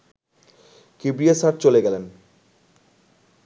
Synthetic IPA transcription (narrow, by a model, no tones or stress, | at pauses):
kibɾiasaʈ̚t͡ɕoleɡɛlen